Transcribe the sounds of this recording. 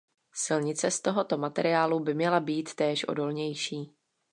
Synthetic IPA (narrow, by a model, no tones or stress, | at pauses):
sɪlɲɪt͡sɛst̪o̞ɦo̞t̪o̞mat̪ɛɾɪaːlubɪmɲɛlabiːt̪ːɛːʃʔo̞̰do̞lɲɛjʃiː